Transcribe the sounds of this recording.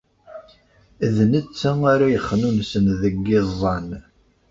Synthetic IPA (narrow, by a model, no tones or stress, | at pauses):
ðnət͡sːəaɾajəχːnunsənðəɡːɪzˤːɑn